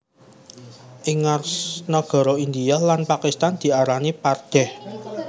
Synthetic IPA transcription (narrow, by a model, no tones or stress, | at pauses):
ʔiŋarsnɔɡ̥ɔ̤ɾɔind̪ialanpakist̪and̪̥i̤aɾanipard̪̥ɛ̤h